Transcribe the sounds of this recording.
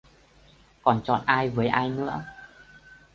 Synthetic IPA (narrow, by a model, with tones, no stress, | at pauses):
kɔ˨˩nt͡ɕɔ̰˨˩t̚ʔaː˧jvəː˨˦jʔaː˧jnɨ̰˧˥ə